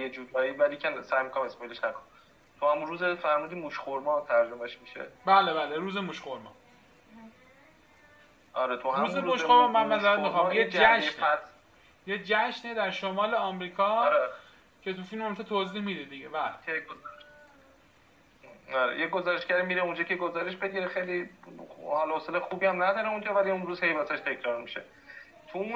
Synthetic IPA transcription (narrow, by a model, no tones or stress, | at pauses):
jed͡ʒud̪ɒːivælicʰensæːjmikonamesmɒjileʃnækʰon | t̪ʰuhæmunɾuːzefæɾmuːd̪iːmuʃxoɾmɒːt̪ʰæɾd͡ʒomeʃmiʃḛbæːlebæːleɾuːzemuʃxoɾmɒ̰ː | ɒɾet̪ʰuhæɾmuːzemuʃxoɾmɔmænmæzæɾæt̪mixɑjed͡ʒæʃæs | jed͡ʒæʃned̪æɾʃomɒːleɒːmɾiːkʰɒːɾ | cʰe̞t̪ʰufilmomt̪ʰet̪ʰoːziːhmiːd̪ed̪iɟevæeo | ɒɾḛjeɡozɔɾeʃɡæɾimiːɾeund͡ʒɒːcʰeɡozɒːɾeʃbe̞ɟiɾexejli | hɒlɒhoselexubiːæmnæd̪ɒːɾeund͡ʒɒːvæliũnɾuːzhe̞jbat̪ʰæʃt̪ʰecʰɾɒːɾmiʃḛ | t̪ʰu